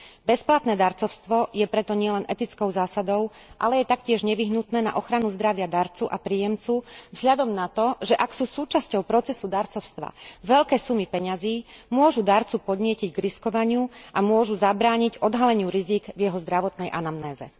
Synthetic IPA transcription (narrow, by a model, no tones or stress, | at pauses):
bɛsplat̪nɛːd̪aɾt͡sɔʊst̪ʋɔjɛpɾɛt̪ɔɲɪɛlɛnʔɛt̪it͡skɔʊzaːsad̪ɔʊ | ʔa̰lɛjɛt̪akcɪɛʒɲɛʋiɦnut̪nɛːna̰ʔɔxɾanuzd̪ɾaʋɪad̪aɾt͡suʔapɾiːjɛmt͡suvz̥ɦʎad̪ɔmnat̪ɔʒɛʔaksuːsuːt͡ʃascɔʊpɾɔt͡sɛsud̪aɾt͡sɔʊst̪ʋa̰ʋɛʎkɛːsumipɛɲaziːmʊɔʒud̪aːɾt͡supɔd̪ɲɪɛciɟɡɾiskɔʋaɲɪuʔamʊɔʒuzabɾaːɲiɟɔd̪ɦalɛɲɪuɾiziːɡvjɛɦɔzd̪ɾaʋɔt̪nɛjʔanamnɛːzɛ̰